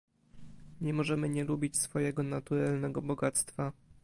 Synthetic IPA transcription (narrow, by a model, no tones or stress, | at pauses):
ɲɛmɔʐɛmɘɲɛlubʲit͡ɕsfɔjɛɡɔnat̪uɾalnɛɡɔbɔɡat̪st̪fa